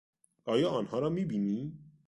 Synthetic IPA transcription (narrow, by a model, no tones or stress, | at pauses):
ɐjaɐnhãɾamĩbini